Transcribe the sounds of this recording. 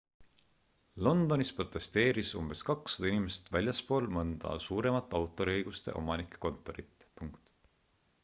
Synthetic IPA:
lo̞nd̪̥o̞nispro̞t̪ːˑe̞st̪e̞ːɾisumb̥e̞skɑksɑ̥d̪̥ɑinʲime̞st̪vælʲjɑspo̞ːlmɤnd̪̥ɑ̰suːɾe̞mɑt̪ːˑɑwt̪ːˑo̞ɾiɤjɡ̥ust̪e̞̰ʔo̞mɑnikːˑe̥ko̞nt̪ːˑo̞ɾit̪ːˑpuŋkt̪

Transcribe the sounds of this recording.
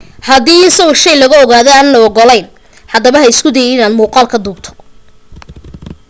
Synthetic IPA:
hɐðiːɪsɐɣɔʃɛjlɐɣɐɔɣaːðɔaːnnɔɔɡɔlɛjn | hɐd̪ɐβɐɦɐjɪskʰʊd̪ɛjɛɪnaːnmuːqɑːlkʰɐd̪uːbt̪ʰɔ̥

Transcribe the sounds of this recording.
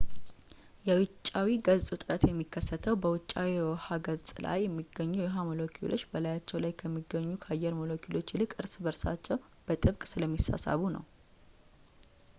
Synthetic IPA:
jɛwɨt͡ʃʼːawiɡəzsʼut̪ʼɨɾət̪jɛmːikʰːəsːət̪ʰəwbəwʊt͡ʃʼːawiwhaɡəzsʼla̰jːɛmːiɡəɲːujɛɦamolokʰḭlʔo̞t͡ʃːbəlajat͡ʃːɛwlajkʰəmːiɡəɲːukʰajːɛɾmolo̞kʰilo̞t͡ʃːlɨkʼɨɾsbəɾsa̰t͡ʃːɛw | b̥ət̪ʼɨβkʼsɨləmːisa̰sa̰βunə̰w

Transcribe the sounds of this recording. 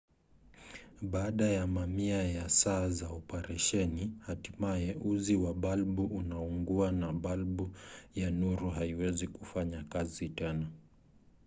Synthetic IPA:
ɓaːɗajamamiajasaːzaɔpɛɾɛʃɛnihatimajɛʔuziwaɓalɓuʔunauŋɡuanaɓalɓujanuɾuɦaiwɛzikufaɲakazitɛna

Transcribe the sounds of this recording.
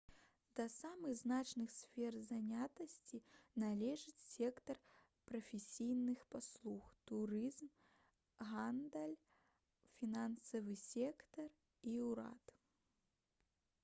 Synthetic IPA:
d̪̥ɐsamɨɣznat͡ʂnɨxsʲfʲɛrzanʲat̪ɐsʲt͡sʲinalʲɛʐɨt͡sʲsʲɛkt̪ɐr | pɾɐfʲesʲijnɨxpaslˠuxt̪uɾɨzm | ɣand̪ɐlʲ | fʲinansɐvɨsʲɛkt̪ɐr | iuɾa̰t̪

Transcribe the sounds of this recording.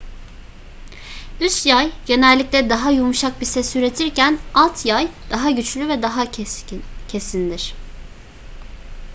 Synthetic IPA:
yst̪jajɟe̞nɛlʲːiclʲɛd̪aɦajumuʃak̚bisɛsyɾe̞t̪ʰiɾcʰænalˠt̪ʰjajd̪̥aɦaɟyt͡ʃlʲyvɛd̪aɦa | cʰe̞sind̪iɾ̥

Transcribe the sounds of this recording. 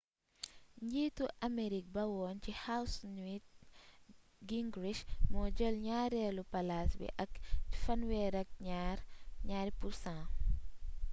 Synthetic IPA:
ɲɟiːtuʔɐmeɾik̚bɐwɔːncihawsnwit̚ | ɡiŋɡɾiʃmɔːɟəlɲaːɾɛːlupɐlasbḭʔɐkfɐnwɛɾɐk̚ɲaɾɲaːɾipuɾsãː

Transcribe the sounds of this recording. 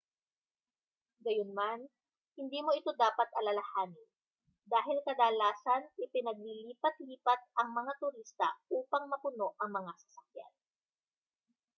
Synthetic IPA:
ɡɐjonman | hɪnd̪iːmoʔɪt̪o̞d̪aːpɐt̪ʔɐlɐlɐhaːnɪ | d̪aːɦɪlkɐd̪alaːsɐnʔɪpɪnɐɡ̚liːliːpɐt̪liːpɐt̪̚ʔɐŋmɐŋat̪ʊɾist̪ɐ̰ʔuːpɐŋmɐpʊno̞ʔʔɐŋmɐŋasɐ̥sɐk̚ja̰n

